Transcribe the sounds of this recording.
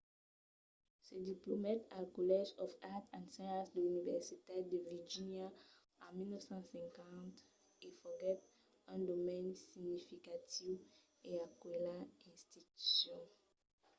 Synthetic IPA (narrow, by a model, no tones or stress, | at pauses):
sediplomatalkolɛʒɔfatãnsɛ̃ãsdəynivɛʁsitadeviʒinja | amilnɔvsɑ̃sɛ̃ŋkãt | efɔɡɛt | ɛ̃domɛ̃nsiɲifikatʰiv | eakwɛlaɛ̃stity̥sjɔ̃